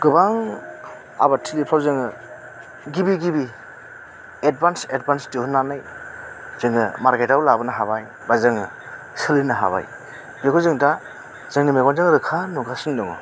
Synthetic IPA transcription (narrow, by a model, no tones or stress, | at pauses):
ɡ̥ɯbaŋ | a̰batʰilipʰawzɯŋɯ | ɡibiɡibi | ed̚bansed̚bansdiɦunːanaj | z̥ɯŋɯmaɾketawlabɯnaɦaβaj | bazɯŋɯ | sɯlɯnaɦa̰βa̰j | bekʰɔzɯŋta | z̥ɯŋnimeɡanzɯŋɾɯkʰanuɡasɯndɯŋɔ̰